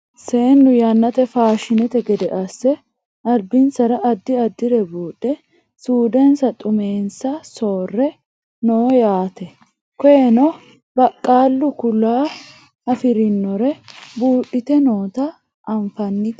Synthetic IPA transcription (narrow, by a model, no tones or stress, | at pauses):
se̞ːnːʊjɐnːɐt̪ɛfaːʃɪnɛt̪ɛɡɛd̪ɛʔɐsːɛ | ɐlbɪnsɐɾɐʔɐd̪ːɪɐd̪ːɪɾɛbuːᶑːɛ | suːd̪eːnsɐt̪ʼʊme̞ːnsɐso̞ːrːɛ | noːjaːt̪ɛ | kɔjɛnɔ | bɐkʼːaːlːʊkʊlːaː | ɐfɪɾɪnːɔɾɛbuːᶑːɪt̪ɛno̞ːt̪ɐ | ʔɐɱfɐnːɪt̪